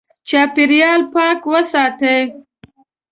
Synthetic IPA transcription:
t͡ʃɑpɪɾjɑlpɑkwəsɑt̪e

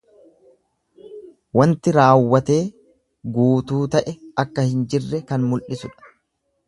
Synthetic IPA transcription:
wɐnt̪ɪɾaːwːɐt̪e̞ː | ɡuːt̪uːt̪ɐʔɛɐkːɐhɪnd͡ʒɪrːɛkɐnmʊlʔɪsʊᶑɐ̥

